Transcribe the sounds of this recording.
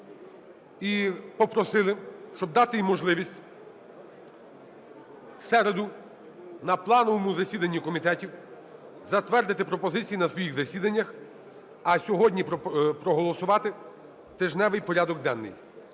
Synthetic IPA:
ipɔpɾɔsɪlˠɪʃt͡ʃɔb̚d̪ɑt̪ɪjimɔʒlˠɪʋʲisʲtʲ | sɛɾed̪ʊ | nɐplˠɑnɔʋɔmʊzɐsʲid̪ɐnʲːikɔmʲit̪ɛtʲiw | zɐt̪ʋɛrd̪ɪt̪ɪpɾɔpɔzɪt͡sʲijinɐsʋɔjiɣzɐsʲid̪ɐnʲːɐx | ɐsʲɔɦɔdʲnʲippɾɔɦɔlˠɔsʊʋɑt̪ɪ | t̪ɪʒnɛʋɪjpɔɾʲad̪ɔɡ̚d̪ɛnːɪ̰j

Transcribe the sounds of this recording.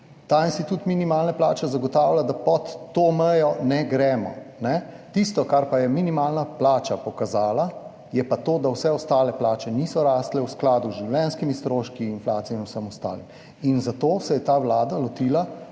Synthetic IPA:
t̪ainst̪it̪ut̪minimaːlnaplaːt͡ʃɛzaɡɔt̪aːwlad̪apɔt̪ːomɛjɔnɛɡɾɛmɔ̰nɛ | t̪ist̪ɔkaɾpajɛminimaːlnaplaːt͡ʃapɔkazaːla | jɛpat̪oːd̪awsɛɔst̪aːlɛplaːt͡ʃɛnisɔɾaːst̪lɛwsklaːd̪uzʒiwlɛnskimist̪ɾoːʃkiːnflaːt̪sijɛinusəmɔst̪a̰ːlim | inzat̪oːsɛjɛt̪awlaːd̪alɔt̪iːla

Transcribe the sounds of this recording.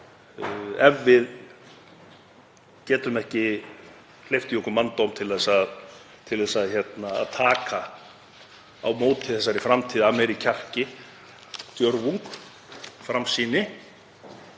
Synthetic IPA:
ɛvːɪð | cɛːt̪ʏmɛhcɪ | l̥ejft̪ɪjɔkʏmant̪owmt̪ʰɪlɛsað | t̪ʰɪlðɛsaðçɛt̪na̰ːðt̪ʰaːka | awmoːwt̪ɪθɛsːaɾɪfɾamt̪ʰiːðamɛɾicʰar̥cɪ | t̪jœɾvuŋk | fɾamsiːnɪ

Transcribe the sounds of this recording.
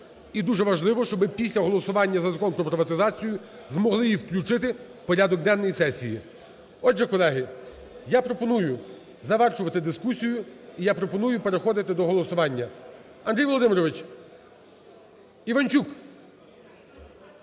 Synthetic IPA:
id̪uʒɛʋɐʒlˠɪʋɔʃt͡ʃɔbɪpʲisʲlʲɐɦɔlˠɔsʊʋɑnʲːɐzɐzɐkɔnpɾɔpɾɪʋɐt̪ɪzɑt͡sʲijʊ | zmɔɦlˠɪjiwklʲut͡ʃɪt̪̬ɪ | pɔɾʲad̪ɔɡ̚d̪ɛnːɔjisɛsʲḭji | ɔdʒɛkɔlˠɛɦɪ | japɾɔpɔnujʊ | zɐʋɛrt͡ʃʊʋɐt̪ɪd̪ɪskusʲijʊijapɾɔpɔnujʊpe̞ɾexɔd̪ɪt̪ɪd̪ɔɦɔlˠɔsʊʋɑnʲːɐ | ɐnd̪ɾʲijʋɔlˠɔd̪ɪmɪɾɔʋɪt͡ʃ | iʋɐnʲt͡ʃuk

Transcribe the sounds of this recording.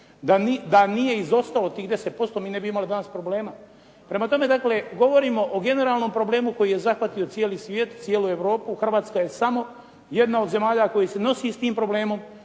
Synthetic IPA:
d̪anid̪anije̞izo̞st̪alo̞t̪iːɣd̪e̞set̪̚po̞st̪o̞miːne̞biimalid̪anaspɾoble̞ːma | pɾe̞mat̪o̞me̞d̪akle̞ɡo̞ʋo̞ɾiːmo̞ʔoɡe̞ne̞ɾaːlˠno̞mpɾo̞ble̞ːmuko̞jiːje̞zaxʋat̪io̞t̪sjeːlisʋjeːt̪t̪sjeːlue̞ʋɾo̞ːpuxr̩ʋaːt̪skaje̞samo̞ | je̞d̪naod̪ze̞maːʎako̞jise̞no̞sist̪iːmpɾo̞ble̞ːmo̞m

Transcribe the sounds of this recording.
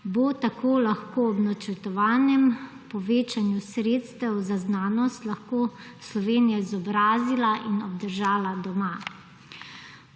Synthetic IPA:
bot̪akʰoːlaxkoːɔbnat͡ʃəɾt̪ɔʋaːnjɛm | pɔʋeːt͡ʃanjusɾeːt̪st̪ɛwzaznaːnɔst̪laxkoː | slɔʋeːnijaizɔbɾaːzilaʔinɔb̚d̪əɾʒaːlad̪ɔma

